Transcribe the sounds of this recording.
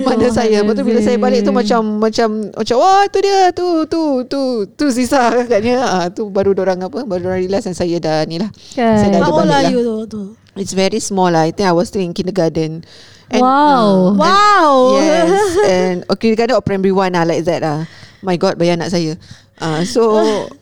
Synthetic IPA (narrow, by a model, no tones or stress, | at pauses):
madəsajəbaʔt̪ubilasajəbalɪk̚t̪umãt͡ʃamːãt͡ʃamma̰t͡ʃawat̪udiət̪ut̪ut̪ut̪us̬isaaɡaʔ̚ɲəət̪ubaɾudoɾaŋapəbaɾudoɾãŋilasansajədanilahsajdaalalajut̪u | itsvɛɹismɔlaajt̪ĩŋajwɔst̪ilĩŋkindəɡadə̃n | ʔɛ̃wawwɛ̃wjɛsɛnɔkindəɡadə̃nɔpɾɛ̃mbɹiwãnalajk̚ðɛt̚amajɡɔt̚bajaana̰ʔsajə | ʔãso